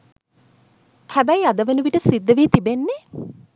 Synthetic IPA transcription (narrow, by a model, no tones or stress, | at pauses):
hæbæiad̪əʋənuʋiʈəsid̪ːəʋiːt̪ibenːe